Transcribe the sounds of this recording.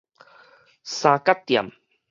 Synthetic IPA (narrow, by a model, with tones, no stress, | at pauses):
saː˧ka˥t̪̚ːi˨m